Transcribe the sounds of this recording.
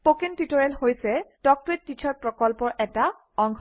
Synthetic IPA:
pokentitɔɹɛlɦojsɛdɔk̚tɔɹetːit͡ʃʰɔɹpɹɔkɔlpɔɹʔɛta | ɔŋkʰ

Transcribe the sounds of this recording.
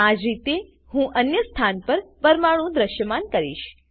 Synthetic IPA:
ad͡ʒɾit̪e | hũʔənjəst̪ʰanpəɾpəɾmaɽũd̪ɾəʃjəmankəɾḭʃ

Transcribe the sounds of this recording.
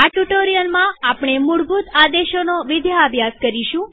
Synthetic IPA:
aʈuʈoɾijəlmãapɳ̃emuɽbʱut̪ad̪eʃonoʋɪd̪jaːbʱjaskəɾiʃũ

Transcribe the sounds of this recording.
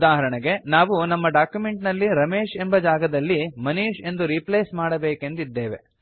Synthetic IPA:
d̪aːɦɐɾɐɳeɡe̞naːʋunɐmːɐɖaːkjume̞ɳʈnɐlːiɾɐmeːʃe̞mbɐd͡ʒaːɡɐd̪ɐlːimɐniːʃe̞nd̪uɾipleːsmaːɽɐbeːke̞nd̪id̪ːeːʋe̞̰

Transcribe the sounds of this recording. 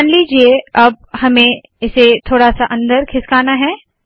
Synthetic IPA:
nliːd͡ʒieɐb̚hɐmẽ | ɪset̪ʰoːɽasaʔɐ̃nd̪əɾkʰɪskaːnaɦɛː

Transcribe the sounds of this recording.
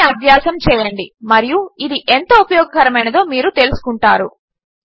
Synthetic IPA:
ɐbʱjaːsɐmt͡ʃɛːjɐɳɖimɐɾijuid̪iʔent̪oːupɐjɔːɡɐkɐɾɐmɐjnɐd̪o̞ːmiːɾut̪e̞lusu̥kuɳʈaːɾu

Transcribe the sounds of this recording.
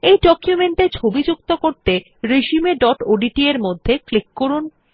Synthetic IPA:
ejɖɔkjumeɳʈet͡ɕʰobid͡ʑukt̪okoɾt̪e | ɾeʃimeɖɔʈoɖiʈieɾmod̪ʱːeklikːoɾun

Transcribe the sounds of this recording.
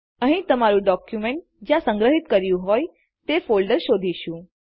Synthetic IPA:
əɦĩt̪əmaɾũɖɔkjumeɳʈ̚ | d͡ʒjãsə̃ŋɡɾəɦit̪kəɾjũɦoj | t̪efolɖəɾʃod̪ʱiʃũ

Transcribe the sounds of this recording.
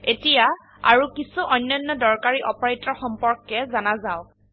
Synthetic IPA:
etija | a̰ɹukisuʔɔjnːɔjnːɔdɔɹkaɹiʔɔpɔɹajtɔɹxɔmpɔɹkːɛzanazaʊ

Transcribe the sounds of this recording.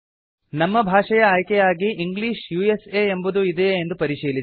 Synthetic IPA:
nɐmːɐbʱaːʂɐjɐaːjkɛjaːɡiʔiŋɡliːʃjueseembud̪uid̪eːnd̪upɐɾiʃiːli

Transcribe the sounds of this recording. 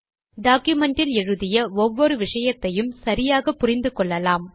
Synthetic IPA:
ɖaːkjʊmɛɳʈɪlɛɻɯðɪjɐɔʋːɔɾɯʋɪʂɐjɐt̪ːɐjɯmsɐɾɪjaːɣɐpːʊrɪnd̪ɯkɔɭːɐlaːm

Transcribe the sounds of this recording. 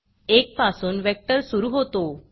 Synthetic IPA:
ek̚pasuːnʋɛk̚ʈəɾsuɾuɦot̪o

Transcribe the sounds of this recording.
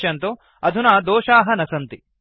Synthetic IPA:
jɐnt̪o | ɐd̪ʱunaːd̪oːʃaːɦɐnɐsɐnt̪i

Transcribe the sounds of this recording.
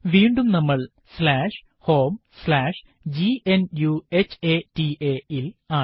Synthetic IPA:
ʋiːɳɖumnɐmːɐɭ | slaːʂ | ho̞ːmslaːʂ | d͡ʑienjuet͡ɕeːtiʔeilaː

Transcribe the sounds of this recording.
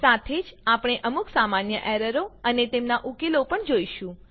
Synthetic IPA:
sat̪ʰed͡ʒapɽ̃eʔəmuksamanjəʔɛɾəɾoənet̪emnaʔukelopəɳd͡ʒoiʃũ

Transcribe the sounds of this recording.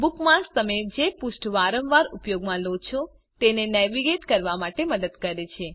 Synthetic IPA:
bukmakst̪əmed͡ʒepuʃʈʰʋaɾəmʋaɾupjoɡmãlod̪t͡ʃʰɔ | t̪enenɛʋiɡeʈkəɾʋamaʈeməd̪əd̪kəɾet͡ʃʰe

